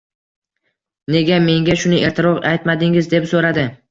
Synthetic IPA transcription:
ne̞ɡʲame̞ŋʲaʃʊnɪʔe̞ɾt̪ʰɪɾɒqajt̪mad̪ɪŋɪzd̪e̞psoɾad̪ɪ

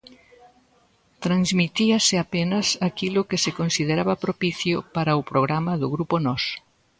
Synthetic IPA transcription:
t̪ɾanzmit̪iɐsɪapenɐsakilʊkɪsɪkonsið̞eɾaβɐpɾopiθjʊpaɾɐʊpɾoɣ̞ɾamɐðʊɣɾuponɔs

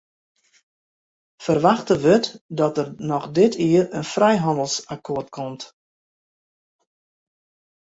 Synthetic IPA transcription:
fərʋaxtəʋøtdɔtərnɔxdɪtʰiərənfrɛjɦɑndəlˠsakʰoːtkʰɔmt

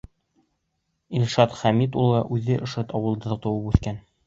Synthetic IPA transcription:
ilʃɑt̪χæmit̪ulˠʁɑʔʉðɘʔɤ̆ʃɤt̪ɒwɤ̆lˠd̪ɤt̪ɤ̆wɤpʉθkæn

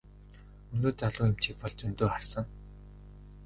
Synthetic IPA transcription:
ɵnoːt͡saɮʊːjem̥t͡ɕiːk̚pɔɮt͡sɵnt̪oːχarsə̆ŋ

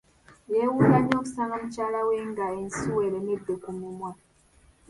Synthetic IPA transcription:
jewuːlaɲo̞ːku̥saːŋɡamucaːlawe̞ːŋɡaensiweːɾened̪ːekumumwa

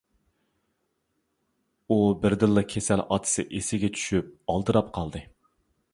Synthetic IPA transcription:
ubɪɾd̪ɨlˠːɨkʲʰesɛlɑ̰t̪ʰɨ̥sɨ̰ʔesɪɡʲɛt͡ʃʰy̥ʃyp̚ɑlˠd̪ɨɾɑpqʰɑlˠd̪ɨ

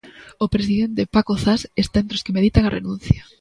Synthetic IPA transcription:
opɾes̬iðent̪epakoθasest̪aent̪ɾoskemeðit̪aŋarenũnθja

